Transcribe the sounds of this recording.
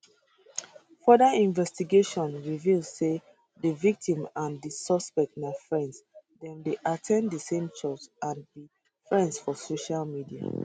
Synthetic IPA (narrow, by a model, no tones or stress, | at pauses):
fɔdaĩnvɛstiɡeʃɔ̃nɹivilsse | dəvik̚tĩmãndəsɔspɛk̚tnafɹɛ̃ndsdɛ̃ndeʔatʰɛ̃ndəsẽmt͡ʃɔsãndi | fɹɛ̃ndsfɔsoʃalmidia̰